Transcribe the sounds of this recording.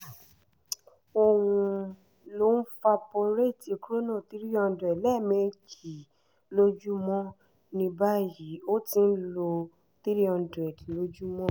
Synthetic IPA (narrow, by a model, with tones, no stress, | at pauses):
o˧wũ˧ | lo˨˦n̩˦fa˧pɔ˧ɾe˦˨ti˨˧ku˦ɾo˦nã˦˨t̪i˦ɾi˦ɔ̃˧n˦dɾɛ˨lɛ˦˨mẽ˧˨d͡ʒi˨ | lo˦d͡ʒu˦mɔ̃˦ | nĩ˧ba˦ji˨˦o˦tĩ˧n̩˦lo˧ | t̪i˦ɾi˦ɔ̃˧ndɾɛ˨dlo˦d͡ʒu˦mɔ̃˦